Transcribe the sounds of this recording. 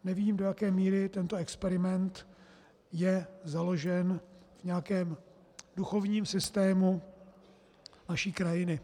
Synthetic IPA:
nɛviːmdo̞jakɛːmiːɾɪt̪ɛnt̪oɛkspɛɾɪmɛnt̪ | jɛzalo̞ʒɛnv̥ɲɛakɛːm | duxo̞vɲiːmsɪst̪ɛːmu | naʃiːkɾajɪnɪ

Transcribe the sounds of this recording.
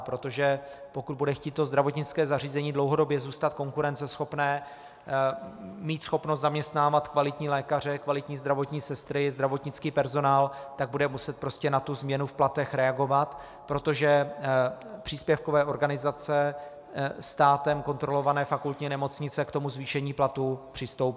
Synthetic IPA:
pɾo̞t̪o̞ʒɛpo̞kud̪budɛxciːt̪̚t̪ːo̞zd̪ɾavo̞t̪ɲɪt͡skɛːzariːzɛɲiːdlo̞wɦo̞do̞bjɛzuːst̪at̪̚ko̞ŋkuɾɛnt͡sɛsxo̞pnɛː | miːt̪sxo̞pnost̪zamɲɛst̪naːvat̪kvalɪt̪ɲiːlɛːkar̝ɛkvalɪt̪ɲiːzd̪ɾavo̞t̪ɲiːsɛst̪ɾɪzd̪ɾavo̞t̪ɲɪt͡skiːpɛɾzo̞naːlt̪aɡ̚budɛmusɛt̪̚pɾo̞scɛnat̪uzmɲɛnufplat̪ɛxɾɛaɡo̞vat̪ | pɾo̞t̪o̞ʒɛ | pr̥iːspjɛfkovɛːʔo̞ɾɡanɪzat͡sɛ | st̪aːt̪ɛmko̞nt̪ɾo̞lo̞vanɛːfakult̪ɲinɛmo̞t͡sɲɪt͡sɛkt̪o̞muzviːʃɛɲiːplat̪upr̥ɪst̪o̞wp

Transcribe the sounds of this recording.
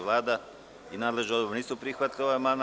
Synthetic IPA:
ʋlˠaːd̪a | inaːd̪leʒneod̪obɾniːsupɾixʋat̪lʲioaeman

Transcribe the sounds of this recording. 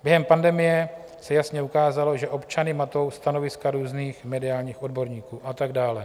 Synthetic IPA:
bjɛɦɛmpandɛmɪjɛ | sɛjasɲɛukaːzalo̞ʒɛʔo̞pt͡ʃanɪmat̪o̞wst̪ano̞vɪskaɾuːzniːxmɛdɪaːlɲiːxo̞dbo̞ɾɲiːkuːʔat̪aɡdaːlɛ

